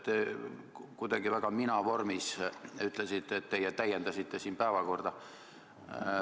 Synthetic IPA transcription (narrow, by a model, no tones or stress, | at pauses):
t̪e | kujd̪̥ɑɡivæɡ̥ɑminɑʋo̞rmisyt̪ːˑlesit̪ːˑet̪ːejet̪æjːend̪ɑsit̪ːe̞siːnpæevɑko̞rd̪̥ɑ